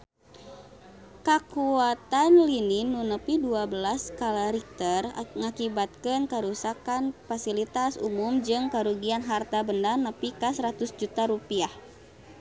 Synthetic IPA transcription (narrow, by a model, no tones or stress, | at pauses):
kakuat̪anlininːunəpiduabəlaskalaɾik̚t̪ərŋakibat̪̚kənkaɾusakanfasilit̪asṵmumd͡ʒɨŋkaɾuɡianɦart̪abəndarnəpikasəɾat̪usd͡ʒut̪aɾupiah